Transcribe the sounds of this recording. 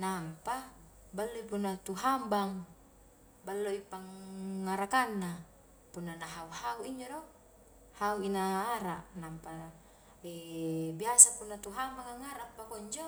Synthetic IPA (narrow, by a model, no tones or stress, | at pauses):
nampa | balːoipunːat̪uɦambaŋ | balːoipaŋːaɾakanːa | punːanaɦauhauiɲd͡ʒodo | hauinaːɾaʔnampa | ibiasapunːat̪uɦambaŋaŋaɾapːakoɲd͡ʒo